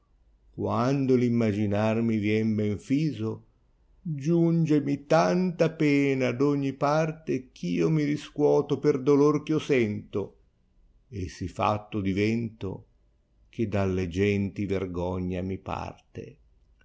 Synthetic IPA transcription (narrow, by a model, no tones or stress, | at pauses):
kwand̪olimːad͡ʒinarmivjɛmbɛɱfiːzo | d͡ʒund͡ʒemit̪ant̪apɛːnad̪ɔɲːipart̪ekʰiːomiɾiskwɔːt̪operd̪olork̟iosɛnt̪o | esifa̰t̪ːod̪ivɛnt̪o̰ | k̟ed̪alːed͡ʒɛnt̪iverɡɔɲːamipa̰rt̪ḛ